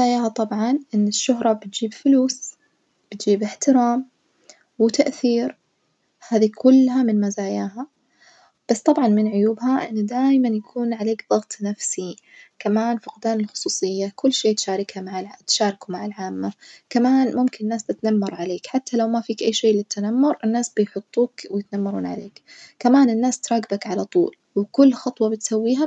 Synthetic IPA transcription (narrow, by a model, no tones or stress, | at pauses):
aːjaːhat̪ˤɑbʕɑnʔɪnːɪʃːʊɦɾˤɑbɪt̪̚d͡ʒiːbfʊluːs | b̥ɪt̪d͡ʒiːbɪħt̪ɪɾaːm | wɪt̪aʔθiːɾ | haːðikʰʊlːɦamɪnmazaːjaːɦa | b̥asːt̪ˤɑbʕɑnmɪnʕʊjuːbhaʔɪ̰nːd̪aːjmanjakʰuːnʕaleːkðˤɑɣt̪ˤnafsi | kamaːnfʊqd̪aːnɪlxʊ̥sˤuːsˤɨjːakʊlːʃeːt̪ʃaːɾˤɪkhamaʕat̪ʃaːɾˤɪkumaʕɪlʕaːmːakamaːnmʊmkɪnɪnːaːsbɪt̪namːɑɾˤʕaleːkħat̪ːalawmafiːkʔajːʃeːlɪt̪ːanamːʊɾʔɪnːaːsbɪjħʊt̪ˤːuːkwɪjɪt̪namːɑɾˤṵːnʕa̰leːkkamaːnɪnːaːst̪ɾˤɑːɡɪbakʕalat̪ˤṵːl | wɪkʊlːxɑt̪ˤwɑbɪt̪sawːiːɦa